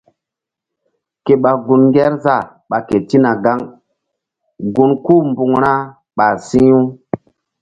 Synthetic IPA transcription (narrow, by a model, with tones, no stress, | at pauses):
ke˨ɓa˨ɡu˧nŋɡʲɛ˦ɾza˦˨ | ɓa˨ke˨ti˦na˨ɡa˦ŋ | ɡu˦nku˦˨mbu˨ŋɾa˦ | ɓa˨si˦u˦